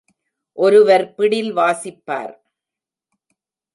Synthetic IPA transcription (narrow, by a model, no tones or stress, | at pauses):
ʔɔɾɯʋɐɾpɪɽɪlʋaːsɪpːa̰ːɾ